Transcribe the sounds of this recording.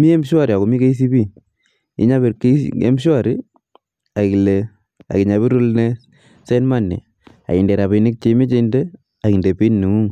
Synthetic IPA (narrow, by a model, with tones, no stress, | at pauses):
mi˦e˦mʃwa˦˨ɾi˨a˨ko˨mi˦ke˦i˦s̬i˦bi˦ | ḭ˦ɲa˦be˨ɾke˦ḛ˦mʃwa˦˨ɾi˦ | a˨ki˨le˨ | a̰˨ki˨ɲa˨βi˦ɾu˦lne˦ | se˦nma˦˨nːḭ˨ | a̰˨ki˨nde˨ɾa˨bi˨nɪ˦k̚t͡ʃe˦mi˦t͡ʃe˦nde˦ | a˨ki˨nde˨pi˦nːu˨ŋu˦ŋ